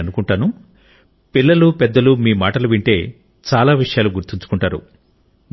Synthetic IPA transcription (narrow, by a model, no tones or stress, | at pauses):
ɐnukuɳʈaːnu | pilːɐlupɛd̪ːɐlumiːmaːʈɐluʋiɳʈe̞ː | t͡ʃaːlaːʋiʂɐjaːluɡuɾt̪iɲt͡ʃu̥kuɳʈaːɾṵ